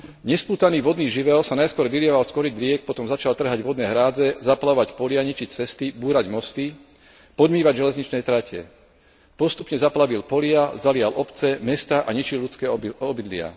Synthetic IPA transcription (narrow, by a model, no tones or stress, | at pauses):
ɲɛspuːt̪aniːʋɔd̪niːʒiʋɛɔsanajskʊɔɾʋilɪɛʋalskɔɾid̪ɾɪɛk̚pɔt̪ɔmzat͡ʃalt̪r̩ɦaɟʋɔd̪nɛːɦɾaːd͡zɛzaplaɔʋacpɔlɪaɲit͡ʃict͡sɛst̪ibuːɾaɟmɔst̪i | pɔd̪miːʋaɟʒɛlɛzɲit͡ʃnɛjt̪ɾacɛ̰ | pɔst̪upɲɛzaplaʋilpɔlɪazalɪalʔɔpt͡sɛmɛst̪aʔaɲit͡ʃilʎut͡skɛːɔbid̪lɪa̰